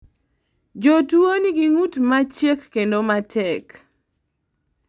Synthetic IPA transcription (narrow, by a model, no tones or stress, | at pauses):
d͡ʒotuoniɡiŋutmat͡ʃjekːendomatʰɛk